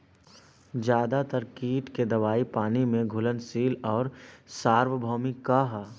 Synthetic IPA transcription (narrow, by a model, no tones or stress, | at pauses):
d͡ʒjaːd̪at̪əɾkiːʈked̪ɐʋaːipaːnimẽɡʱʊlənsiːlɔːɾsaːɾʋəbʱɔːmikaɦ